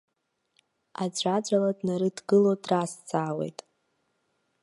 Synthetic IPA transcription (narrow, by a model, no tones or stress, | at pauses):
ad͡ʒʷad͡ʒʷaladnaɾɨdɡɨlodrast͡sʰaːwe̞̰jtʼ